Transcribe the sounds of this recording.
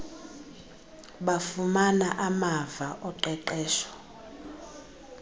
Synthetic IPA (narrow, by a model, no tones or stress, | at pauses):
ɓafumanaʔamavaʔɔǃɛǃɛːʃɔ̥